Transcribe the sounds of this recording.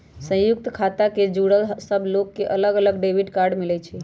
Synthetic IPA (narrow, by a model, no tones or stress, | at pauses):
sə̃juk̚t̪kʰat̪aked͡ʒuɽəlsəbʱlokːeʔələɡələɡɖebʱiʈkaɾɖmilɛt͡ʃʰɛ